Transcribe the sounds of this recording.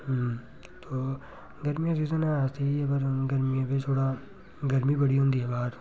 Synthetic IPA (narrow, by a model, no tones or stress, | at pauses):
ɦəm | t̪oː | ɡɐɾmijãsiːzənaat̪iiɐbəɾɡɐɾmijãbet̪ʰoːɽa | ɡɐɾmibɐɽiɦõːnd̪iɦɛbaːɾ